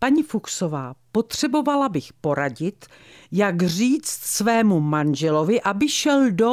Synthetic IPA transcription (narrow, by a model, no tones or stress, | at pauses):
paɲifukso̞vaːpo̞t̪r̝̥ɛbo̞valabɪxpo̞ɾaɟɪt̪ | jaɡr̝iːt͡st̪svɛːmumanʒɛlo̞vɪʔabɪʃɛldo